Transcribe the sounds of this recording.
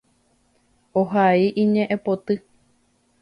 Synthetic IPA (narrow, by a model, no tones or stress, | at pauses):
oɦaiʔĩɲẽʔẽpot̪ɨ